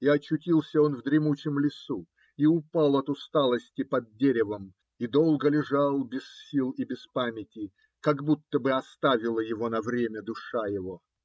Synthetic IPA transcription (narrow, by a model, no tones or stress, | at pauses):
iɐt͡ɕːʊtʲilˠsʲəo̞nvd̪ɾʲɪmut͡ɕɪmlʲɪsu | iʊpalˠɐt̪ʊst̪alˠəsʲtʲɪpɐd̪̚dʲeɾʲɪvəm | id̪o̞lˠɡəlʲɪʐalˠbʲɪsʲilˠibʲɪspamʲɪtʲɪ | kaɡbut̪ːəbɨɐst̪avʲɪlˠəjɪvo̞nɐvɾʲemʲəd̪ʊʂajɪvo